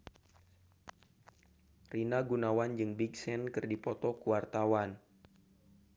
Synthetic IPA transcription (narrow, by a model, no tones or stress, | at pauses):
rinaɡunawand͡ʒɨŋbiɡsɛnkɨrdipɔt̪ɔkuwart̪awan